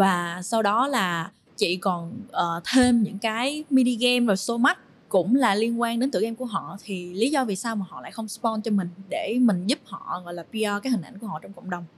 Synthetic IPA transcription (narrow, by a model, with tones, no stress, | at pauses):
vaː˨˩sa˧wɗɔ˨˦laː˨˩ | t͡ɕḭ˧˨kɔ˨˩nʔəː˨˩t̪ʰe˧mɲɨ̰˧˥ŋkaː˨˦jmi˧ɗi˧ɣɛ˧mvoː˨˩so˧ma˦˥t̚ | kʊ̰˧˥ŋ͡mlaː˨˩li˧ənkwaː˧ŋɗe˨˦nt̪ɨ̰˧˨ʔɛ˧mku˧˩əɦɔ̰˧˨t̪ʰi˨˩li˨˦zɔ˧vi˨˩saː˧wmaː˨˩hɔ̰˧˨la̰ː˧˨jxə˧wŋ͡mspɔ˧nt͡ɕɔ˧mï˨˩ŋ̟ɗe˧˩mï˨˩ŋ̟zu˦˥p̚hɔ̰˧˨ɣɔ̰˧˨jlaː˨˩pi˧ʔaː˧kaː˨˦jhï˨˩ŋʔa̰˧˩jku˧˩əhɔ̰˧˨t͡ɕwŋ͡mkə˧˨wŋ͡mɗə˨˩wŋ͡m